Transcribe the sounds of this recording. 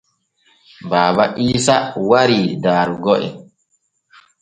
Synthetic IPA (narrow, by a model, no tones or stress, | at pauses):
baːbaʔiːsawaɾidaːɾuɡɔʔɛ̰